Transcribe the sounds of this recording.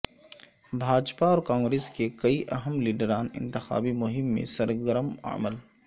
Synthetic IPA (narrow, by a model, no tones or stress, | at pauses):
bʱaːd͡ʒpaɔːɾkãːŋɡɾeːskekɐiʔɐɦəmliːɖəɾaːnɪ̰̃nt̪ɪxa̰ːbimʊɦɪmːḛ̃sɐɾɡəɾəma̰ːməl